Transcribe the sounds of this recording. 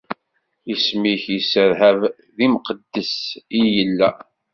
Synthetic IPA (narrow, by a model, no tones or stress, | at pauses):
ismiçjəsəɾɦæv | ðimqəd̪ːəsijəlːæ